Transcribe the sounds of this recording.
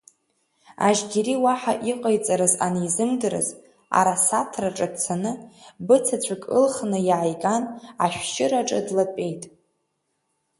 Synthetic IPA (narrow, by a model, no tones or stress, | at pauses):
a̰ʒɡʲeɾiwaħaʔiqʼajt͡sʼaɾɨzaniizɨmdɨɾɨ̰z | a̰ɾasatʰraʈ͡ʂʼadt͡sʰanɨbɨt͡sʰat͡ɕʷʰakʼɨlχnɨjʕajɡanaʃᶣʃʼɪɾaʈ͡ʂʼa̰dlapʼe̞jtʼ